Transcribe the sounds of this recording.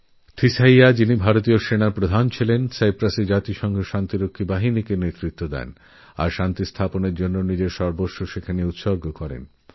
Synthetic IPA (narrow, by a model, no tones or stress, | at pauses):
t̪ʰisaiad͡ʑinibʱaɾot̪ioʃenaɾpɾod̪ʱant͡ɕʰilensajpɾased͡ʑat̪iʃɔŋɡʱeʃant̪iɾokʰːibaɦinikenet̪ɾit̪ːod̪ɛ̰n | a̰ɾʃant̪ist̪ʰaponeɾd͡ʑonːonid͡ʑeɾʃɔɾboːoʃekʰaneut̪ʃoɾɡokɔɾḛn